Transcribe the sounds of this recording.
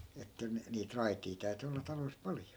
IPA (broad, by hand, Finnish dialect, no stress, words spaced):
etːæ niːt rɑitiː tæy̞ty olːɑ tɑlois pɑljo